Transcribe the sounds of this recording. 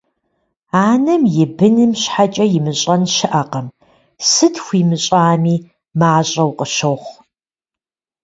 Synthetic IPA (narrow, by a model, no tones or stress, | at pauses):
aːnɐmjɪbɨnɨmɕħat͡ʃʼɐjɪmɨɕʼɐnʃɪʔɐqɐm | sɨtʰxʷiːmɨɕʼaːmiː | maːɕʼɐwqʼəʃowχʷ